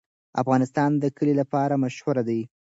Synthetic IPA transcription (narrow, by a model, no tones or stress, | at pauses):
a̰fɣɑnɪst̪ɑnd̪əkəlilapɑɾamaʃhwaɾad̪aj